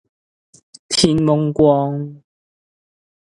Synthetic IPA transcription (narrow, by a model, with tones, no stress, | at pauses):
t̪ʰi˧˥nmo˧˥ŋkwɔ˧ŋ